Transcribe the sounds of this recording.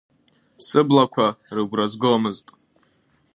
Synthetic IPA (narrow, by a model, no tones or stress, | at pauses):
sɨblakʷʰarɨɡʷrazɡɨlamɨztʼ